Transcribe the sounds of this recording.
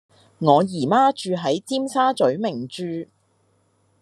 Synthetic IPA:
ŋɔː˨˧jiː˨˩maː˥t͡ʃyː˧ɦɐ˨˥jt͡siː˥msaː˥t͡sɵ˨˥ɥmɪ˨˩ŋt͡ʃyː˧

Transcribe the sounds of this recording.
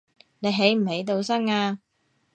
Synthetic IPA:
ne˨˧jɦe˨˥jm̩˨˩he˨˧˥jt̪o˧wsɐ˥ŋaː˧

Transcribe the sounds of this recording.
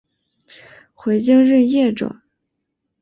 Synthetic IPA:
xwe˧˥ɪt͡ɕi˥ŋɻə˥˧njɛ˥˩ʈ͡ʂwə̰˨˩˦

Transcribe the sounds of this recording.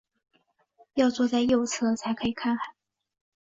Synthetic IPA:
jɑ˥˧ʊt͡swɔ˥˧t͡sa˥˧ɪjo˥˧ʊt͡sʰɤ˥˧t͡sʰa˧˥ɪkʰɤ˧˥i˨˩kʰa˥˩nxa˨˩˦

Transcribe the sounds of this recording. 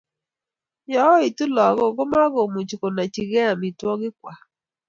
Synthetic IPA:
jɔ˨˦i˨tu˦lɔ˨˦ɣo˦˨ɣʊ˦ma˦ɣo˨mu˨t͡ʃi˨ko˨na˨t͡ʃi˨ɣɛ˦a˨mi˨twɔ˦ɣɪ˦kwa˨

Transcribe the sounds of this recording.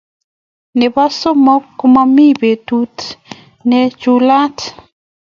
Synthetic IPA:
nɛ˨ba˦so˦mɔ˦kːo˦ma˦mi˦be˨tu˦t | nɛ˦t͡ʃula˦t

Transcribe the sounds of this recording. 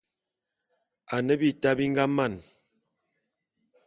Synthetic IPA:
a˨nə˦bi˦ta˦bi˦ŋ˦ɡa˦ma˦˨n

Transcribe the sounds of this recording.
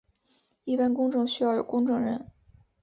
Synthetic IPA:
i˥˩pa˥nkʊ˥ŋʈ͡ʂɤ˥˧ŋɕy˥jɑ˥˩ʊjo˨˩ʊkʊ˥ŋʈ͡ʂɤ˥˧ŋɻə˧˥˦n

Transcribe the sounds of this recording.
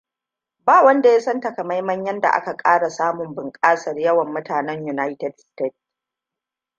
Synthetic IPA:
baː˦˨wɐ˦nda˨ja˦sɐ˦nta˨kɐ˨ma˦jmɐ˦ɲjɐ˦nda̰˨ʔa̰˦ka˨kʼaː˦ɽa˨saː˦mʊ˨mbɪ˨ŋkʼaː˦sɐ˨rjɐ˦wɐ˨mːʊ˦taː˨nɛ˦ɲju˨naː˦jtɛ˨dste˦t̚

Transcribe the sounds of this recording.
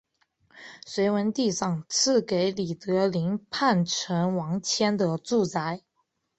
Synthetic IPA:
swe˧˥ɪwə˧˥nt̪i˥˧ʂɑ˥˧ŋt͡sʰɹ̩˥˩ke˧˥ɪli˨˩t̪ɤ˧˥li˧˥ŋpʰa˥˩nʈ͡ʂʰə˧˥nwɑ˧˥ŋt͡ɕʰjɛ˥nd̪ə˨t͡su˥˩t͡sa˧˥ɪ

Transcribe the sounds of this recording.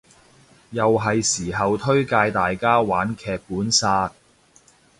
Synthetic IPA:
jɐ˨wɦɐ˨jsiː˨˩ɦɐ˨wt̪ʰɵ˥ɥkaː˧jt̪aː˨jkaː˥waː˨˥nkʰɛː˧k̚puː˨˥nsaː˧t̚

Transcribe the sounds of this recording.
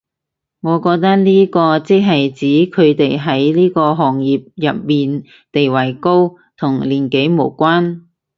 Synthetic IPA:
ŋɔː˨˧kɔː˧k̚t̪ɐ˥k̚nliː˥kɔː˧t͡sɪ˥k̚ɦɐ˨jt͡siː˨˥kʰɵ˨˧ɥt̪e˨jɦɐ˨˥jliː˥kɔː˧ɦɔː˨ŋjiː˨p̚jɐ˨p̚miː˨n | t̪e˨jwɐ˨˩jko˥w | t̪ʰʊ˨˩ŋliː˨˩nke˨˥jmo˨˩wkʷaː˥n

